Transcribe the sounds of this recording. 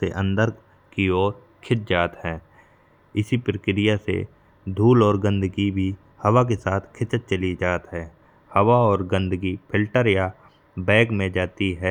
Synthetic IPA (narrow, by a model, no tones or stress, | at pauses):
sḛʔə̃nd̪əɾ | kiɔːɾ | kʰɪt̪̚d͡ʒaːt̪ɦɛ̃ː | ɪsipɾəkɾɪjasḛ | d̪ʱuːlɔːɾɡə̃nd̪əɡibʱi | hɐwak̬esaːt̪ʰkʰɪt͡ʃət̪̚t͡ʃəlid͡ʒaːt̪ɦɛː | hɐwaɔːɾɡə̃nd̪əɡipʰɪlʈəɾja | bɛ̃ːkmẽd͡ʒaːt̪iɦɛː